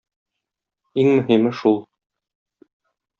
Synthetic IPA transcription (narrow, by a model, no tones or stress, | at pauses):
iŋmɵ̆ɦimɘʃulˠ